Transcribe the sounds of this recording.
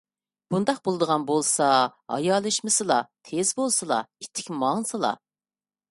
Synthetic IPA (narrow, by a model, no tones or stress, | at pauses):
b̥und̪ɑq̚bolˠɨd̪əʁɑnbolˠsɑhɑ̰jɑːlˠɨʃmɨsɨlˠɑt̪ʰezbolˠsɨlˠɑ̰it̪ʰːɪkʲmɑŋsɨlˠɑ̰